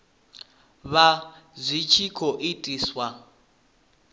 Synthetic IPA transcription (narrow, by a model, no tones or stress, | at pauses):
βazʷit͡ʃʰikʰɔʔitʼiːswa